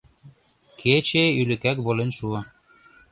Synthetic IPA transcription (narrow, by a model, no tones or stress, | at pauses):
kʰet͡ɕeylɘ̆kækβolenʃuɤ